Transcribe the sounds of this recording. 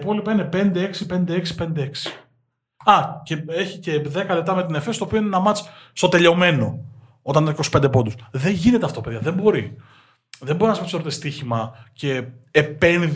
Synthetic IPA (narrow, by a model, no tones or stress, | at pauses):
po̞lipɐine̞pe̞nd̪eeksipe̞nd̪e̞eksi̥pe̞nd̪ee̞ksi̥ | ɐcee̞çice̞ðe̞kɐlep̚t̪ɐme̞t̪̬inefe̞st̪opioine̞nɐmɐt͡sst̪o̞t̪e̞ʎeo̞me̞no̞ | o̞t̪ɐninɐikosi̥pend̪epo̞nd̪usðe̞ɲʝinet̪eɐft̪opeðjɐðembo̞ɾi | ðembo̞ɾinɐspesoɾot̪est̪içimɐceːpe̞n